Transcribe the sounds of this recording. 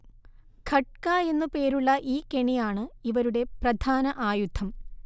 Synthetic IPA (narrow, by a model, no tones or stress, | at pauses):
kʰɐʈ̚kaːe̞nːupe̞ːɾuɭːɐʔiːkeɳijaːɳɨiʋɐɾuɽe̞prɐd̪ʱaːnɐʔaːjud̪ʱʰɐm